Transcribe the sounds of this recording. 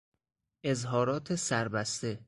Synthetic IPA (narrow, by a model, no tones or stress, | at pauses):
ʔe̞zɦɒːɾɒːt̪ʰesæɾbæst̪e̞